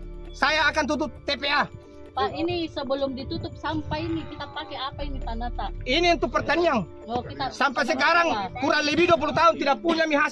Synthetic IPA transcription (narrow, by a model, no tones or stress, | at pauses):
sajaːkant̪̬ut̪up̚t̪ːepea | painisəbəlʊmdit̪ut̪ʊp̚sampainikit̪apakɛapainit̪anat̪ainijaŋt̪upərt̪aniaŋ | okiasampɛs̬ɛkaɾaŋkuɾanlibiduap̬ulut̪aunt̪idak̚puɲamiɦa